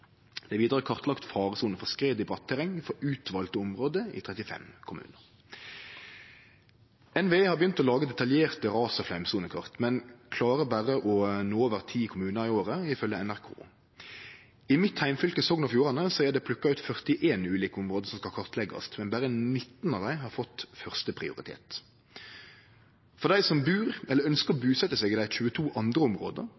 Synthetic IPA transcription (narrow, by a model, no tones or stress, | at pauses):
d̪ɛæʋiːd̪əʁəkʰɑʁt̪lɑkt̪fɑːʁəsuːnəfɔʁskʁeːd̪ɪbʁɑt̪ʰːɛʁɛŋfɔɾʉːt̪ʰʋɑːlt̪əʊmʁoːd̪əɪ̰t̪ʰʁɛt̪ɪfɛ̰mkʰʊmʉ̰ːnəʁ | ɛnʋeːhɑʁbjʏnt̪ɔlɑːɡəd̪ɛt̪ɑljeːʁt̪əʁɑːsɔflæmsuːnəkʰɑ̰ʁt̪mɛnkʰlɑːʁəbæʁəʔɔnoːoːʋəʁt̪ʰiːkʰʊmʉːnəʁɪoːʁəɪfœljəɛnæʁkʰo̰ː | ɪmɪt̪hæɪmfʏlkəsɔːɡnɑfjuːʁɑnəsɔæʁd̪ɛpʰlʉkːɑʉːt̪fœʁt̪ɪʔeːnʉːliːkəʊmʁoːd̪əsɔmskɑlkʰɑʁt̪lɛɡɑ̰st̪mɛnbæɾənɪt̪ːnɑʋd̪æɪɦɑʁfɔt̪ːfœʁst̪əpʰɾɪ̰ʊ̰ɾɪ̰t̪ʰḛːt̪ | fɔʁd̪æɪsɔmbʉːʁɛlːəɾœnskəʁɔbʉːsɛt̪ːəsɛːɡɪd̪æɪçʉːət̪ʰuːʔɑnd̪ɾəʊmʁo̰ːd̪ə̰